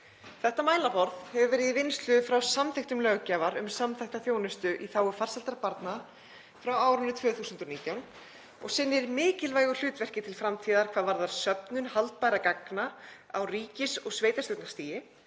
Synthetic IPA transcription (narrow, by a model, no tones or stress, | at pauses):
θɛht̪ːamaːjlapɔɾðhɛvʏvɛːɾɪðivɪnst̪lʏðfɾawsamθejxt̪ʏmlœɣcaːvaɾʏ̰msamθɛjht̪aθjownɪst̪ʏʔiθaːwʏfar̥salt̪aɾpaɾt̪na | fɾawaːwɾʏnːʏt̪ʰvœːθuːsʏnt̪ɔniːt̪jawn | ɔ̰ɣsɪnːɪɾmɪːcɪlvaːjɣʏ̥l̥ʏːt̪vɛr̥cɪt̪ʰɪlfɾamt̪ʰiːðaɾkʰvaːðvaɾðaɾ̥sœpnʏnhalt̪̚pajɾakaknaa̰wriːcɪsɔɣsveːjt̪asʏwt̪nḁst̪iːjɪ